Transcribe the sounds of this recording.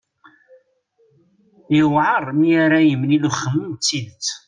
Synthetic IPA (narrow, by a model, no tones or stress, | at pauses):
əwʕərˤmiaɾajəmːniluχːəmːənt͡sːiðt͡s